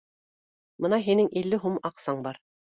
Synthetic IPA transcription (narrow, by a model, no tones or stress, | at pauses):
bɤ̆nɑɦinɘŋʔilːɘɦumɑqsɑɴbɑɾ